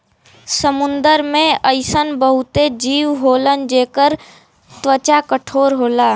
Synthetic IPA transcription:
səmʊ̃nd̪əɾmẽəɪsənbəɦʊt̪ed͡ʒiːwɦoːlənd͡ʒeːkəɾ | t̪wət͡ʃakəʈʰoːɾɦoːlaː

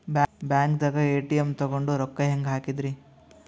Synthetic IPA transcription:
bbjaːŋk̚d̪ɐɡɐeːʈijemt̪ɔɡoɳɖuɾɔkːɐɦeŋɡɦaːkid̪ɾi

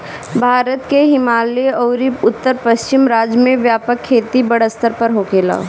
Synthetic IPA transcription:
bʱaːɾət̪keɦɪmaːleɔʊɾiʊt̪ːəɾpəʃt͡ʃɪmɾaːd͡ʒjəmẽʋjaːpəkʰːeːt̪ibɐɽəst̪əɾpəɾɦoːkeːla̰ː

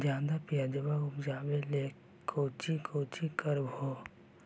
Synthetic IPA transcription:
d͡ʒjãːd̪apijad͡ʒəbaʊpd͡ʒaːbeleː | kʰoːt͡ʃikʰoːt͡ʃikəɾbhoː

